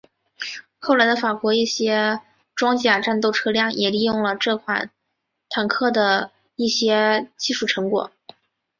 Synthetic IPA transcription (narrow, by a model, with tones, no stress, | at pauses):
xo˥˩ʊla˧˥ɪd̪ə˧fa˨˩kwɔ˧˥i˥˩ɕjɛ˥ | ʈ͡ʂwɑ˥ŋt͡ɕja˨˩ʈ͡ʂa˥˧nt̪o˥˩ʊʈ͡ʂʰɤ˥ljɑ˥˩ŋjʔɛ˨˩li˥˧jʊ˥˩ŋlə˩ʈ͡ʂɤ˥˩kʰwa˨˩n | t̪ʰa˨˩nkʰɤ˥˩d̪ə˩ | i˥˩ɕjɛ˥t͡ɕi˥˧ʂu˥˩ʈ͡ʂʰɤ˧˥ŋkwɔ̰˨˩˦